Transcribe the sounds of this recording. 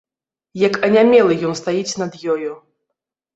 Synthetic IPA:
jɐkɐnʲamʲɛlˠɨjɔnst̪ajit͡sʲnɐd̪jɔju

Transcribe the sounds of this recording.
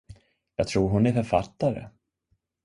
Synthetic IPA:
jɑːɡ̚t̪ʰɾuːɾɦʊnɛɾfœɾfat̪ːaɾə̰

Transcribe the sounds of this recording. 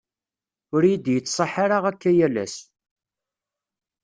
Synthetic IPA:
ʊɾjid̪jət͡sːsˤɑħaɾaʁækːæjælæ̰s

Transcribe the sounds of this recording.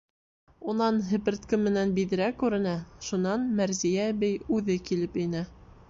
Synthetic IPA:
unɑnɦɘ̆pɘ̆ɾt̪kɘmːɘ̆nænbið̆ɾækːʉɾɘ̆næʃunɑnmæɾzijæβɘjʉðɘkilɘpɘ̆næ

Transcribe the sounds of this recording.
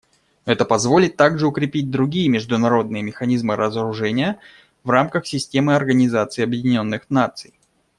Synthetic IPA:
ɛt̪əpɐzvo̞lʲɪt̪ːaɡʐɨʊkɾʲɪpʲit̚ʲd̪ɾʊɡʲijəmʲɪʐd̪ʊnɐɾo̞d̪nɨjəmʲɪxɐnʲizmɨɾʔəzəɾʊʐɛnʲɪjə | vramkəxsʲɪsʲtʲe̞mɨɐrɡənʲɪzat̪sɨɪɐbjɪdʲɪnʲo̞nːɨxnat̪sɨj

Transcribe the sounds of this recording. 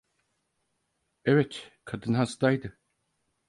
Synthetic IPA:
ɛvɛt̪kʰad̪ɯnɦasd̪ajd̪ɯ

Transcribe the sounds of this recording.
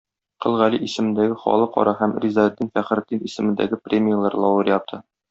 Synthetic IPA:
qɤ̆lˠʁæliʔisɘ̆mɘ̆nd̪æɡɘχɒ̰lˠɤqɒ̰ɾʔɑɦæmrʲizɑd̪ːinfæχɘ̆ɾd̪inisɘ̆mɘ̆nd̪æ̰ɡɘprʲemʲɪjalˠɑɾlˠɒwɤɾjɒp̚t̪ʰɤ

